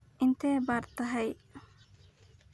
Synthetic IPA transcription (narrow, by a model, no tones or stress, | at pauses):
int̪ebaɾt̪aɦɐj